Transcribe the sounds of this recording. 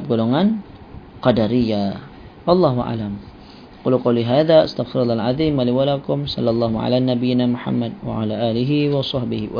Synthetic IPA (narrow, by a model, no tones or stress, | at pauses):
p̚ɡoloŋan | qɑdaɾija | wɑlˤːɑɦuʔa̰ʕlam | qʊlqɑwliɦaːðaʔast̪aɣfɪɾalːɑalʕaðˤiːmwaliwalakʊmsɑ̰lːalˤːɑːhuʕa̰lanabijɪnamʊħa̰mːad̚wa̰ʕa̰laʔaːlɪɦiwɑsˤɑhbɪh